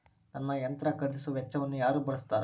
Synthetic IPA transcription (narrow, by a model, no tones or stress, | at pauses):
nɐnːɐjɐnt̪ɾɐkɐɽd̪isuʋɛt͡ʃːɐʋɐnːujaːɾuːbɐɭɐst̪aːɾ